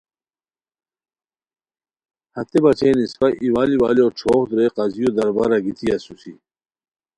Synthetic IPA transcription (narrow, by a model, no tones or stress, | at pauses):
hɐt̪ebɐt͡ɕeːnispɐʔiwaːliwaːlioʈ͡ʂʰoːxd̪ɾeqɐzijod̪ɐɾbɐɾɐɡit̪ʰiɐsusi